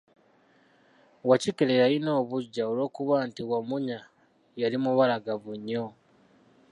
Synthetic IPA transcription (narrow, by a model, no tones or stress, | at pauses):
wacikelejaino̞ːβuɟːaolo̞ːkuβantiwamuɲa | jalimuβalaɡaβuɲːo